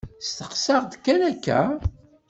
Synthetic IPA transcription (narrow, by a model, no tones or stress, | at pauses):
st̪əqsɑʁd̪kːænækːæ̰